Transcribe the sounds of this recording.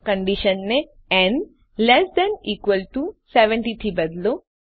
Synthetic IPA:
kɐ̃ɳɖiʃɐ̃nne | ɛ̃ɳɖ | lɛsd̪ɛ̃niːkʋəlʈusɛʋɛ̃ɳʈit̪ʰiːbɐd̪lo

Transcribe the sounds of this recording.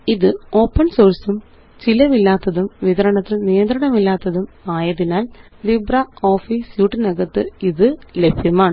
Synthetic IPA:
iðɨo̞ːpːɐɳso̞ːrsum | t͡ɕilɐʋilːaːt̪ːɐðumʋiðɐɾɐɳɐt̪ːilnijɐnd̪ɾɐɳɐmilːaːt̪ːɐðumaːjɐðinaːl | librɐo̞ːfisjuːʈːɨnɐɣɐt̪ːɨiðɨlebʱjɐmaːɳɨ

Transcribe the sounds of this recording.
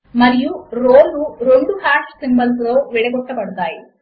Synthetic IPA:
mɐɾijuɾoːluɾoɳɖuhaːʈsimbɐls̬ɾoːʋɛɽeɡɔʈːɐbɐɽut̪aːji

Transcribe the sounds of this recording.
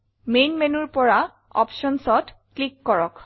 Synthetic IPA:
mejnmenuɹpɔɹa | ɔ̰pʃɔnsɔt | klikːɔɹɔk

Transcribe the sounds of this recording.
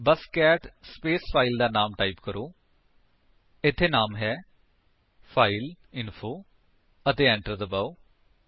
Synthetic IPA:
bəskɛːʈspeːspʰaːild̪aːnaːmʈaːiːpkəɾoː | ɪt̪ʰːeːnaːmɦɛː | pʰaːil | ɪnpʰoː | ət̪eːɛ̃ːɳʈəɾd̪əbaːo

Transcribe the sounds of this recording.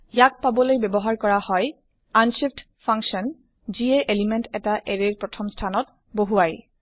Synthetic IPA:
jak̚pabɔlojbɛbɔɦaɹkɔɹahɔj | ansipt | pʰãŋksɔn | ziɛʔelimɛntɛtaʔeɹeɹpɹɔtʰɔmstʰanɔt | boɦuaj

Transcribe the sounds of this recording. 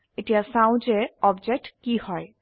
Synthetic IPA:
eʈijasãw̃nd͡ʒeɔb̚d͡ʒek̚ʈkihɔj

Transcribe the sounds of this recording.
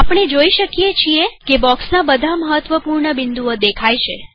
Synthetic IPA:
apɽ̃ed͡ʒoiʃəkijet͡ʃʰiekebɔksnabəd̪ʱaməɦət̪ʋəpuɾɳəbɪnd̪uəd̪ekʰajt͡ʃʰe

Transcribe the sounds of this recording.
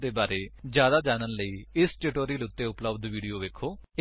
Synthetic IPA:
d̪eːbaːɾeːd͡ʒjaːd̪aːd͡ʒaːnənləiːɪsʈɪʈoːɾiːlʊt̪ːeːʊpləbd̪ʋiːɖijoːʋeːkʰːoːɪ

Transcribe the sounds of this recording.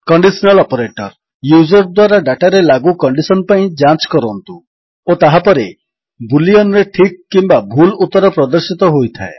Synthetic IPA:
kɔɳɖisɔnalɔpɔɾeʈɔɾ | jud͡ʒɔɾd̪waɾaɖaʈaɾelaɡukɔɳɖisɔnpaĩd͡ʒant͡ʃkɔɾɔnt̪u | ot̪aɦapɔɾe | buliɔnɾeʈʰikkːimbabʱulut̪ːɔɾɔpɾɔd̪ɔɾsit̪ɔɦojt̪ʰae

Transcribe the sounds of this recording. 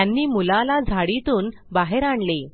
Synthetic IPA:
anːiːmulalad͡zʱaɽit̪uːnbaɦeɾaɳle

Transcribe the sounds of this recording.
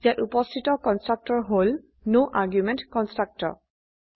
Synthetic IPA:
zijatupɔstʰitɔkɔnstɹak̚tɔɹɦol | noʔaɹɡjumɛ̃ntkɔ̃nstɹak̚tɔ̰ɹ

